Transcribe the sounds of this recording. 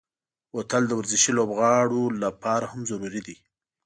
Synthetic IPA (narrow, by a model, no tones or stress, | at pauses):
wot̪əld̪əwaɾzɪʃilobɣɑɽolapɑɾahamzaɾuɾid̪i